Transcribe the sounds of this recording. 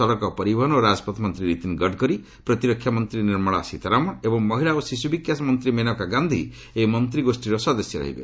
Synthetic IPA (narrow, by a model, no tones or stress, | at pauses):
ɔɭɔkɔpɔɾibɔɦɔnoɾad͡ʒɔpɔt̪mɔnt̪ɾiɾit̪inɡɔɖkɔɾi | pɾɔt̪iɾɔkʰːjamɔnt̪ɾiniɾmɔɭa̰sit̪ʰaɾamɔebɔŋmɔɦiɭaosisubikjasɔmɔnt̪ɾimenɔkaɡand̪ʱi | emɔnt̪ɾiɡosʈiɾɔsɔd̪esjɔɾɔ̰ɦḭbḛ